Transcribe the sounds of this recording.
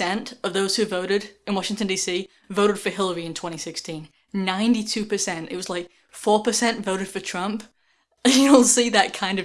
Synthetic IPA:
ɛ̃ntʌvðoʊz̥hʉvoʊɾɨɾɨ̃nwɑʃɪ̃ŋtɨ̃ndisi | voʊɾɨd̥fə˞hɪlˠə˞iɨ̃ntʰw̥ɛ̃ɾ̃isɪkstʰĩnː | ãɪ̃ntitʰʉpə˞sɛ̃ntɨ̰t̚wʌzlaɪk̚ | fɔɹpə˞sɛ̃ntvoʊɾɨd̥fə˞tʰɹ̥ʌ̃mp | jʉl̩ˠsiðɨt̚kʰãɪ̃ndʌ

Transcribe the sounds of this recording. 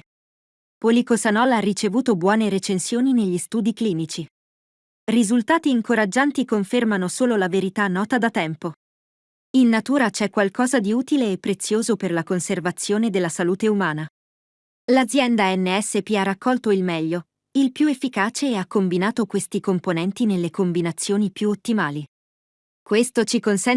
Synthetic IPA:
polikosanɔlːaarːit͡ʃevuːt̪obwɔːneɾet͡ʃensjoːnineʎːist̪uːd̪ikliːnit͡ʃi | rizult̪aːt̪iːŋkoɾad͡ʒːant̪ikoɱfermanosoːlolaveɾit̪anːɔːt̪ad̪at̪ɛmpo | inːat̪uːɾat͡ʃɛkːwalkɔːzad̪iuːt̪ileːpːɾet̪sːjoːzoperlakonservat̪sːjoːned̪elːasaluːt̪eumaːna | lad̪zːjɛnd̪aɛnːeɛsːepiarːakːɔlt̪oilmɛʎːo | ilpjuefːikaːt͡ʃeɛakːombinaːt̪okwest̪ikomponɛnt̪inelːekombinat̪sːjoːnipjuot̪ːimaːli | kwest̪ot͡ʃikonsɛn

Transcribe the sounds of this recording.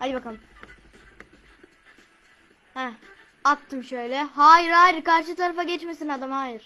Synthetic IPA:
had̪ibakalˠɯm | hɛ | at̪ʰːɯmʃø̞jlʲɛɦaːjiɾaːjiɾkaɾʃ̬ɯt̪ʰaɾafaɟɛt͡ʃmesinad̪amhaːjiɾ̥

